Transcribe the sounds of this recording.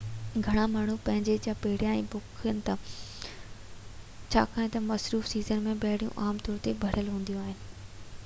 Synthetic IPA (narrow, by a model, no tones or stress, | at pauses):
ɡʱɐɽ̃amaːɳ̤upɐ̃ɦɪ̃ɲd͡ʑed͡ʑapeɦɪɽ̤ijãɛ̃ːbʊkʰijənɪ̆t̪a | t͡ɕʰa̰ːkaːɦẽt̪ɐmɐsɾuːfsiːzənmẽbɐɦɽijṵ̃ʔaːmt̪ɔːɾt̪ebʱɐɽ̤əlɦũːn̆d̪iõaːɦɪnɪ̆